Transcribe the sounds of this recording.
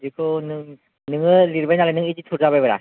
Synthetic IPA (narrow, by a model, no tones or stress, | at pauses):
d͡ʒikʰɯnɯŋ | nɯŋɯliɾbajnalajnɯŋid͡ʒitʰuɾzabajbaɾa̰